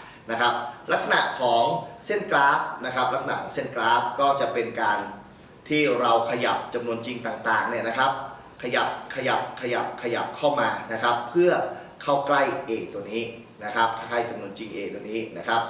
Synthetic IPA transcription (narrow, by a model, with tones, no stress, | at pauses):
na˦˥kʰa˦˥p̚la˦˥k̚sa˧na̰˨˩ʔkʰɔː˩˦ŋse˥˩nklaː˦˥p̚na˦˥kʰa˦˥p̚la˦˥k̚sa˧a˨˩kʰːɔː˩˦ŋse˥˩nklaː˦˥p̚kɔː˥˩t͡ɕa˨˩ʔpe˧nkaː˧n | t̪ʰiː˥˩ɾa˧wkʰa˧ja̰˨˩p̚t͡ɕa˧mnu˧ənt͡ɕi˧ŋt̪aː˨˩ŋt̪aː˨˩ŋni˥˩ɐna˦˥kʰa˦˥p̚ | kʰa˧ja˨˩p̚kʰa˧ja˨˩p̚kʰa˧ja̰˨˩p̚kʰa˧ja˨˩p̚kʰa˥˩wmaː˧na˦˥kʰa˦˥pʰːɯ˥˩ɐ | kʰa˥˩wkla˥˩jʔeː˧t̪u˧ɐniː˦˥ | na˦˥kʰa˦˥p̚kʰa˥˩ka˥˩jt͡ɕa˧mnu˧ənt͡ɕi˧ŋʔeː˧t̪u˧əniː˦˥na˦˥kʰɾa˦˥p̚